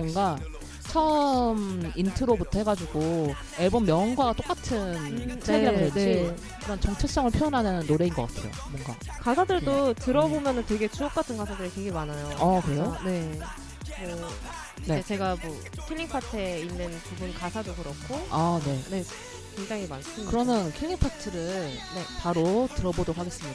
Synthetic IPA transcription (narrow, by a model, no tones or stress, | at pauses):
ʌŋɡa | t͡ɕʰʌmintʰɯɾobutʰʌhe̞ɡad͡ʑuɡo | eɭbʌmːjʌnɡwaɡat͈ok͈atʰɯnsʰeaɯɾʌnd͡ʑi | kɯɾʌnt͡ɕʌŋt͡ɕʰʌk̚s͈ʌŋɯɭpʰjojʌnɦanɯnːoɾe̞inɡʌk͈atʰḛjo̰mwʌŋɡa̰ | kasʰadɯɭdotɯɾʌbomjʌnɯntwe̞ɡe̞t͡ɕuʌk̚k͈atʰɯnkasʰadɯɾiteɡemanajoakɯɾe̞jone̞ | mʌ | ne̞et͡ɕe̞ɡamwʌ | kʰiʎːiŋpʰatʰɯeinːɯnpubunkasʰadokɯɾʌk͈oane̞ne̞ | kweŋd͡ʑaŋimans͈ɯmkɯɾʌnɯnkʰiɭːiŋpʰatʰɯɾɯɭne̞paɾotɯɾʌbodokhaɡe̞s͈ɯmɲida